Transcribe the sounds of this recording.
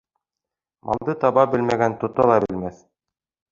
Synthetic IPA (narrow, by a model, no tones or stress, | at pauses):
mʔɑ̰lˠd̪ɤt̪ɑβɑbɘlmæɡænt̪ŏt̪ɑlˠɑbɘ̆lmæθ